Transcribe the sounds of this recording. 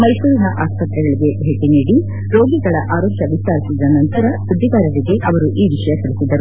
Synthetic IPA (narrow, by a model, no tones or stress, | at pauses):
mɐjsuːɾinɐʔaːspɐt̪ɾɛɡɐɭiɡe̞bʱe̞ːʈiniːɽi | ɾo̞ːɡiɡɐɭɐʔaːɾoːkjɐʋist̪aːɾisid̪ɐnɐnt̪ɐɾɐsud̪ʱːiɡaːɾɐd̪iɡe̞ʔɐʋɐɾuʔiːʋiʂɐjɐt̪ɐɭisid̪ɐɾu